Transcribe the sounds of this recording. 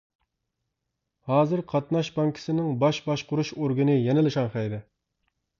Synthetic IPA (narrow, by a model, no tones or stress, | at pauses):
hɑːzɨɾqʰɑt̪nɑʃbɑŋkʲʰi̥sɪnɪŋbɑʃbɑʃqʰʊɾuʃoɾɡɨnɨjɛnɪlɨʃɑnχɛjd̪ɛ